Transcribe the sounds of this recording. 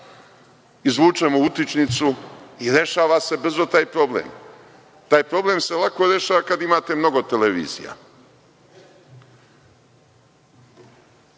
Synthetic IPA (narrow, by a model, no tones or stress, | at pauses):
izʋuːt͡ʃe̞mout̪it͡ʃnit̪suiɾje̞ʃaːʋase̞br̩zot̪aːjpɾo̞blḛm | t̪aːjpɾo̞ble̞mse̞lˠako̞ɾje̞ʃaːʋakad̪imaːt̪e̞mno̞ɡo̞t̪e̞leʋḭːzḭja̰